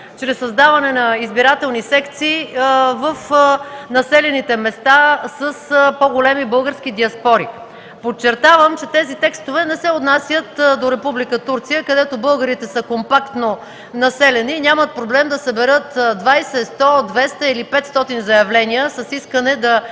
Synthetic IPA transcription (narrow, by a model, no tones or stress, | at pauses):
t͡ʃɾɛsːɐzd̪avɐnɛnɐizbiɾat̪ɛlˠnisɛkt̪siːvəfnɐsɛlɛnit̪ɛmɛst̪asəspoɡolɛmibɤlˠɡəɾskid̪iɐspɔɾi | pott͡ʃːɛɾt̪avəmt͡ʃɛt̪ɛzit̪ɛkst̪ovɛnɛsɛot̪nasjət̪d̪oɾɛpublikət̪uɾt̪sijəkɐd̪ɛt̪obɤlˠɡəɾit̪ɛsəkompakt̪no | nɐsɛlɛninʲamət̪̚pɾoblɛmd̪ɐsɐbɛɾɤt̪d̪vajsɛst̪ɔd̪vɛst̪əilipɛt̪st̪ɔt̪inzɐjɐvlɛniəsəsiskənɛd̪ɐ